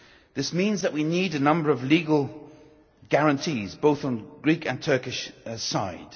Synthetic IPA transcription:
ðɪsmĩnzðəʔwiniːdənʌ̃mbəɹəvliːɡəlˠ | ɡ̥aɹə̃ntʰiːzboʊθn̩ɡɹiˑkə̃ntʰɜˑkɪʃsaɪd̥

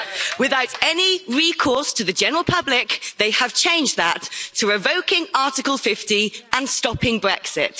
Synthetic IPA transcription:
wɪðaʊtɛniɹiːkʰɔˑstʰəðəd͡ʒɛnəɹəlˠpʰʌblɪkðeɪəv̥t͡ʃʰẽɪ̃nd͡ʒðətʰəɹɪvəʊkɪ̃ŋɑˑtɪkəlˠfɪftiə̃nstɒpɪ̃ŋbɹɛksɪ̰t

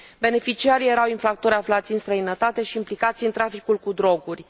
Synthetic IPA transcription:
be̞ne̞fit͡ʃiaɾije̞ɾawinfɾakt̪o̞ɾʲaflat̪sʲɨnst̪ɾəinət̪at̪e̞ʃiːmplikat̪siɨnt̪ɾafikulkud̪ɾo̞ɡurʲ

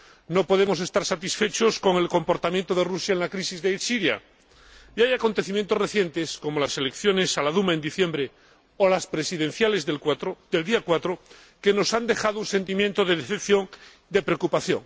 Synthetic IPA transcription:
no̞poð̞e̞mose̞st̪aɾsat̪isfe̞t͡ʃo̞sko̞ŋe̞lko̞mpo̞ɾt̪amjent̪oð̞erusjaenlakɾisizðesiɾja̰ | iajako̞nt̪e̞θimjẽnt̪o̞sre̞θje̞nt̪e̞sko̞molase̞lekθjo̞ne̞salaðumaend̪iθje̞mbɾe | olaspɾesiðẽ̞n̟θjalezðelkwat̪od̪eld̪iakwat̪ɾo | ke̞no̞sand̪e̞xaðounse̞nt̪imjent̪oðe̞ðeθep̚θjo̞ŋ | d̪epɾeokupaθjo̞̰ŋ

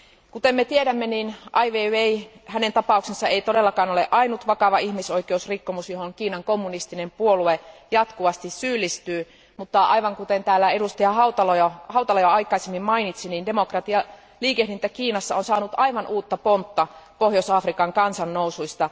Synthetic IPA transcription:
kut̪emːet̪ieɾæmːeniːnʔɑiʋeːeihænent̪ɑpɑˑuksensːɑeit̪odelːɑkɑːnoleʔɑinut̪ʋɑkɑʋɑihmisoikeusrikːomusjohoŋkiːnɑŋkomːunist̪inempuoluejɑt̪kuʋɑst̪issyːlːist̪yː | mut̪ːɑʔɑ̰iʋɑŋkut̪ent̪æːlːæedust̪iɑhɑut̪ɑlojɑhɑut̪ɑlojɑɑikˑɑisemːimmɑinit̪sinindemokrɑt̪iɑ | liːkehdint̪ːækiːnɑsːɑonsɑːnut̪ɑiʋɑnʔuːt̪ːɑpont̪ːɑpohjosɑfrikɑŋkɑnsɑnːousuist̪ɑ

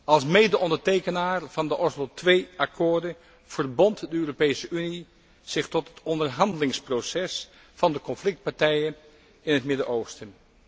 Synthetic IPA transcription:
ɑlˠsmejdəʔɔndəɹtejkənaːɹv̥ɑndəʔɔslotʋejɑkʰʊːɹdən | v̥ərbɔntdəøːropejsəyni | z̥ɪχtɔtɦətɔndəɹɦɑndəlɪŋsprosɛs | fɑndəkɔnflɪk̚t̚paɹtɛjən | ɪnɦətmɪdəʔowstən

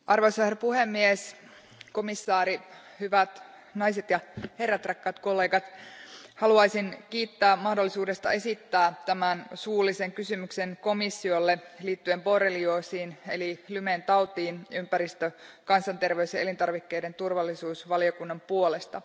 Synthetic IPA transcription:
ʔɑrʋosæhrpuhemːies | ko̞misːɑːɾi | hyʋæt̪ | nɑjset̪jɑherːæt̪rɑkːɑːt̪ko̞lːe̞ːɡɑt̪hɑluɑjsinkiːt̪ːæːmɑhdolːisuːde̞st̪ɑ̰e̞sit̪ːæːt̪æmænsuːlise̞ŋkysymykse̞nko̞misːiolːeliːt̪ːyempo̞relioːsiːnḛlilyment̪ɑwt̪iːnympæɾist̪økɑnsɑnt̪e̞rʋe̞ysjɑelint̪ɑrʋikːe̞jde̞nt̪urʋɑlːisuːsʋɑlio̞kunːɑmpuole̞st̪ɑ

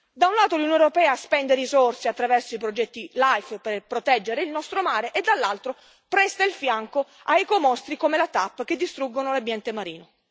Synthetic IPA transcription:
d̪aunlaːt̪olunijoneoɾopɛːaspɛnd̪eɾizorseat̪ːɾavɛrsoipɾod͡ʒɛt̪ːilajfperpɾot̪ɛd͡ʒːeɾeilnɔst̪ɾomaːɾeʔed̪alːalt̪ɾo | pɾɛst̪ailfjaŋko | ajkomɔst̪ɾikomelat̪apːk̟ed̪ːist̪ɾuɡːonolabjɛnt̪emaɾiːno

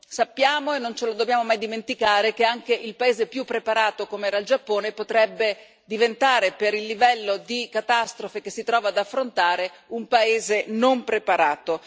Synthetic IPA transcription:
sapːjaːmoenːont͡ʃelod̪objaːmomajd̪iment̪ikaːɾek̟eaŋkeʔilpaeːzepjupːɾepaɾaːt̪okomeɛːɾaild͡ʒapːoːnepot̪ɾɛbːe | d̪ivent̪aːɾepeɾilːivɛlːod̪ikat̪ast̪ɾofekesːit̪ɾɔːvaːd̪afːɾont̪aːɾeumpaeːzenompɾepaɾaːt̪o

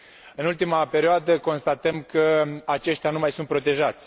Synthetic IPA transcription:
ɨnult̪imape̞ɾʲioad̪əko̞nst̪at̪əmkəat͡ʃe̞ʃt̪ʲjanumajsunt̪̚pɾo̞t̪e̞ʒat̪sʲ

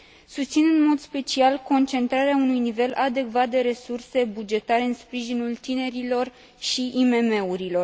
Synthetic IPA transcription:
sust̪sinɨnmo̞d̪spe̞t͡ʃialko̞nt͡ʃe̞nt̪ɾaɾeaunujnive̞lʔad̪e̞kvat̪̚d̪e̞ɾe̞surse̞bud͡ʒe̞t̪aɾe̞ɨnspɾiʒinult̪ine̞ɾilo̞r | ʃiʔime̞me̞uɾilo̞r

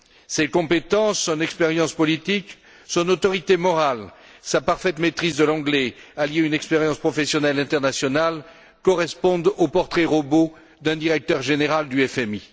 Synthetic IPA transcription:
sekɔ̃pet̪ɑ̃sːɔ̃nɛkspeʁjɑ̃spɔlit̪ik | sɔ̃not̪ɔʁit̪emɔʁalsapaʁfɛt̪met̪χizd̪əlɑ̃ɡlɛaljeynɛkspeʁjɑ̃spχɔfɛsjɔnɛlɛ̃t̪ɛʁnasjɔnal | kɔʁɛspɔ̃d̪opɔʁt̪χɛʁɔbo | d̪ɛ̃d̪iʁɛk̚t̪œʁʒeneʁald̪yɛfɛmi

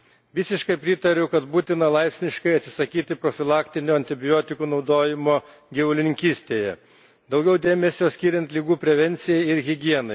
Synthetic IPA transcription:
ʋʲɪsʲɪʃkɐɪpʲɾʲɪt̪ɐɾʲɛʊkɐt̪buːt̪ʲɪnɐlˠɐɪpsʲnʲɪʃkɐɪɐt̪sʲɪ̥sɐkʲiːt̪ʲɪpɾofʲɪlˠɑːkt̪ʲɪnʲoːɐnʲt̪ʲɪbʲɪjoːt̪ʲɪkuːnɒʊd̪oːjɪmoː | ɡʲɛʋʊlʲɪnʲɪŋʲkʲiːsʲt̪ʲeːjɛ | d̪ɒʊɡʲɛʊd̪ʲeːmʲɛsʲoːsʲkʲiːɾʲɛnt̪ʲlʲiːɡuːpʲɾʲɛʋʲɛnʲt̪sʲɪjɛɪɪɾɣʲɪɡʲiɛnɐɪ

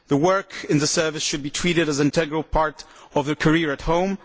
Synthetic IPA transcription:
ðəwɜ˞kɪ̃nðəsɜ˞vɨsʃɨd̚bitʰɹ̥iɾɨɾɨzɪ̃ntʰɛɡɹəl̩ˠpʰɑɹɾɔvðəkʰəɹiɹɨthõʊ̃m

